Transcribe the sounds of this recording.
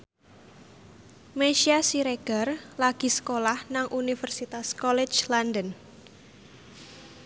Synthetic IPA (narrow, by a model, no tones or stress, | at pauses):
meʃiasiɾeɡ̥arlaɡ̥i̤sə̥kolahnaŋʔunifərsit̪askɔlɛ̥d͡ʒlandən